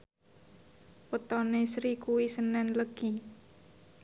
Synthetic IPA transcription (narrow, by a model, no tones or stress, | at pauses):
pət̪ɔnesɾikuwisənɛnləɡ̥i̤